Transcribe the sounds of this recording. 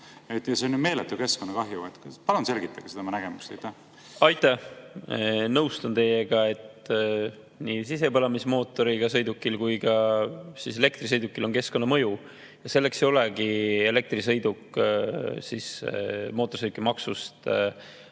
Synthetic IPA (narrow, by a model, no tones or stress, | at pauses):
et̪ːjɑseonume̞ːlet̪ːˑuke̞skonːɑkɑɦjuet̪kpɑlunse̞lɡ̥it̪ːˑɑɡ̥set̪emɑnæɡ̥emust̪ejt̪ːæh | ɑjt̪ːˑɑ | nɤwst̪ont̪e̞je̞ɡɑe̞t̪ | nisise̞pɑlɑmismo̞ːt̪ːˑo̞ɾiɡ̥ɑsɤjd̪ukːˑilkujɡɑsise̞le̞kt̪risɤjd̪ukːˑilo̞nke̞sko̞nːɑmɤju | jɑse̞lːe̞kse̞jole̞ɡie̞le̞k̚t̪risɤ̞jd̪ukːˑ | sismo̞ːt̪ːˑorsɤd̪ukːˑimɑksust̪